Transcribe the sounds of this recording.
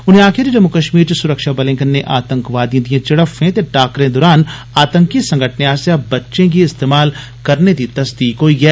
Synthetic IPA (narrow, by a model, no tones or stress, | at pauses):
ʊnɦẽaːkʰɪɾid͡ʒɐmːukəʃmiːɾt͡ʃesʊɾəkʃabɐlɪ̃ŋɡənːeʔaːt̪ə̃ŋkʋaːd̪ĩd̪ijẽt͡ʃɐɽəfɦẽt̪eʈaːkɾẽd̪ɔːɾaːn | aːt̪ə̃ŋkisɐ̃ŋɡʱəʈʰneaːsjabɐtːʃẽk̬iɪst̪eːmaːl | kɐɾned̪it̪ɐsd̪iːkɦoːiɡɛː